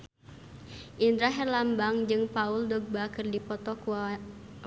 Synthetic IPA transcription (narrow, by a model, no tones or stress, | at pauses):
ʔind̪ɾaɦɛrlambaŋd͡ʒɨŋpauldɔɡ̚bakɨrdipɔt̪ɔkua